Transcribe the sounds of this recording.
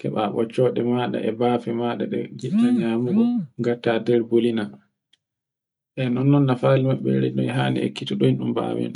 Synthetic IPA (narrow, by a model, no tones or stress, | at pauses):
kɛɓaɓɔ̰t͡ʃːɔːɗɛmaɗa̰ʔɛbaːfɛmaɗaɗɛ̰ɡiɗaɲamuɡɔɡatːadɛɾbolina | ʔɛnɔnːɔnːafaːlimaɓːɛɾɛnɔɛɦaːnɛ̰ḛkːitɔɗɔinɗumba̰wɛ̰n